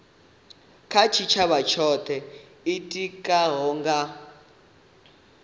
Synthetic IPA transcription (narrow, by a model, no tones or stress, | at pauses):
kʰat͡ʃʰit͡ʃʰaβat͡ʃʰɔt̪ʰɛ | itʼikʼaɦɔŋɡa